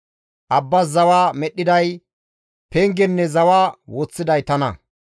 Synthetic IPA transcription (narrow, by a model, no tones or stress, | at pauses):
ʔɐbːɐzɐwaːmɛɗːɪd̪ɐj | pɛŋɡɛnːɛzɐwaːwot͡sːɪd̪ɐjt̪ɐnɐ